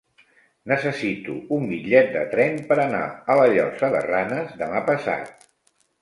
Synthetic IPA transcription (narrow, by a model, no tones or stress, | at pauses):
nəsəsit̪ṵumbiʎɛt̪̚d̪ə̰t̪ɾɛmpəɾəna̰ələʎɔsəðə̰ranəzðəmapəsa̰t̪̚